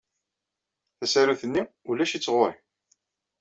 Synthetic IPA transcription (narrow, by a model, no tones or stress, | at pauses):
θæsæɾuθənːi | ulæʃit͡sːʁʊɾi